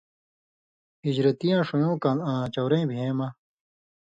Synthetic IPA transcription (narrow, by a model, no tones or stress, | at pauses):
id͡ʑɾɐt̪ijãːʂujõːkɐnãːt͡ɕɐwɾẽːbʱẽːma